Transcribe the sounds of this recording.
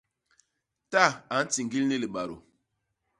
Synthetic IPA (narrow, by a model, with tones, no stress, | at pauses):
ta˦˨a˨˦n̩˦ti˨ŋɡi˦lni˦li˨ɓa˨ɾo̰˨